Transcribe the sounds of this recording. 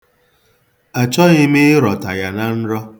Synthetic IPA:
a˨t͡ʃɔ˦ɣɪ˦mɪ˦ɪ˦ɾɔ˨ta˨ja˨na˦n̩˦ɾɔ˦

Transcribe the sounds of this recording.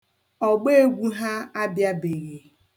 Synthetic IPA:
ɔ˨ɡ͡be˦e˦ɡʷu˦ɦa˦a˦bja˦be˨ɣe˨

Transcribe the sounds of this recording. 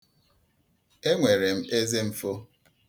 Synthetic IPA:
e˦ŋʷe˨ɾe˨m̩˦e˦ze˦m̩˨fo˦

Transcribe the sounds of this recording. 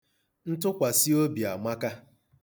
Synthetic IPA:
n̩˦tʊ˦kʷa˨si˦o˦bi˨a˨ma˦ka˦

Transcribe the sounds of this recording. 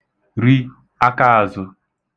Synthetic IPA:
ɾi˦ | a˦ka˦a˨zʊ˨

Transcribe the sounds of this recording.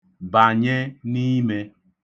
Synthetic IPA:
ba˨ɲe˦ni˦me˦

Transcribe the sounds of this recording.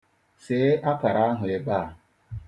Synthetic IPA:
se˨˦ʔa˦ka˨ɾa˦a˦ɦʊ˨e˨ɡ͡ba˦˨

